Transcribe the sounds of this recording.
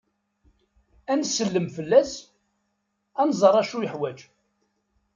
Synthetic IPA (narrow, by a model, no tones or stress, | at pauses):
ænsəlːəmfəlːæs | ænzˤəɾˤæʃujəħwæd͡ʒ